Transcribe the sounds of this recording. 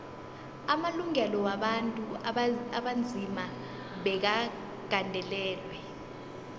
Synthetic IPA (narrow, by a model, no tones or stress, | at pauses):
amaluŋɛlɔwaɓantʼuaɓand͡zʱima | ɓɛk̬a | ɡ̥ʱandʱɛlɛːlwɛ